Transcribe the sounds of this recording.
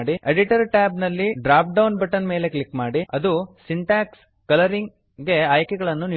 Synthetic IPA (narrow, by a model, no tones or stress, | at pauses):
ɽieɖiʈɐɾʈaːbnɐlːiɖɾaːp̚ɖɐwnbɐʈɐnme̞ːle̞kɭikːmaːɽiɐd̪usiɳʈaːks | kɐlɐɾiŋɡ | ɡe̞aːjkɛɡɐɭɐnːuni